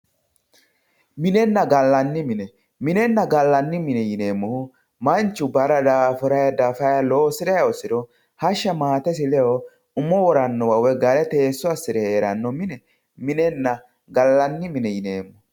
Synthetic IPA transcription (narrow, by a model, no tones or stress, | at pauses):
mɪnɛnːɐɡɐlːɐnːɪmɪnɛ | mɪnɛnːɐɡɐlːɐnːɪmɪnɛjɪne̞ːmːɔhʊ | mɐnt͡ʃːʊbɐɾɐd̪aːfɔɾɐjɐd̪aːfɐjɐloːsɪɾɐjɐɔsɪɾɔ | hɐʃːɐmaːt̪ɛs̬ɪlɛɔ | ʊmːɔwɔɾɐnːɔwɐwɛɡɐɾɛt̪e̞ːsːɔɐsːɪɾɛheːɾɐ̰nːɔmɪnɛ | mɪnɛnːɐ | ɡɐlːɐnːɪmɪnɛjɪne̞ːmːɔ